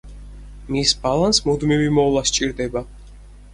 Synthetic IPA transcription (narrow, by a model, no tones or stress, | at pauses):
misbalˠansmud̪mivimɔlˠast͡ʃʼiɾd̪ɛba